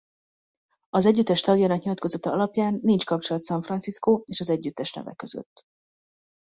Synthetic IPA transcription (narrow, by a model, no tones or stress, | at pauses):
ɒzɛɟːyt̪ːɛʃt̪ɒɡjɒnɒkɲilɒt̪ko̞zɒt̪ɒɒlɒpjaːnːint͡ʃkɒpt͡ʃo̞lɒt̪sɒɱfrɒnsiskoeːʃɒzɛɟːyt̪ːɛʃnɛ̰vɛ̰kø̞zø̰t̪ː